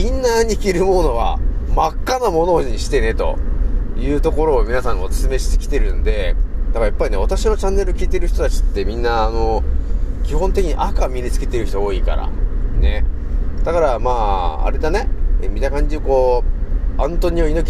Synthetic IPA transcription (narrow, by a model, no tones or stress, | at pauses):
ĩnːaɲ̟ikʲiɾɯ̟mo̞no̞ɡa̰makːanomo̞no̞ɲ̟iɕi̥t̪e̞ne̞t̪o̞̰jɯ̟ːt̪o̞ko̞ɾo̞ːmʲinasãŋ̃osɨ̥sɨme̞ɕi̥t̪e̥kʲi̥t̪e̞ɾɯ̟nd̪e̞d̪̥akajapːaine̞β̞at̪aɕino̞t͡ɕãnːe̞ɾɯ̟kʲiːt̪e̞ɾɯ̟çʲi̥t̪o̞t̪at͡ɕi̥t̪ːe̞mʲĩnːaːno̞ | kʲiɦõ̞nt̪ekʲiɲ̟iʔakamʲiɾʲit͡sɨ̥ke̞t̪e̞ɾɯ̟çi̥t̪ooːika̰ɾa̰ne̞ | d̪̥akaɾamaːa̰ɾed̪anemʲit̪akãɲ̟d͡ʑioko̞ː | ãnt̪o̞ɲ̟ioinokʲ